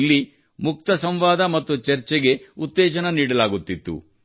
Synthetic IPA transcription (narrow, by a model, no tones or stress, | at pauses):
lːi | muk̚t̪ɐsɐmʋaːd̪ɐmɐt̪ːut͡ʃɐɾt͡ʃɛɡe̞ut̪ːɛːd͡ʒɐnɐniːɽɐlaːɡut̪ːit̪ːṵ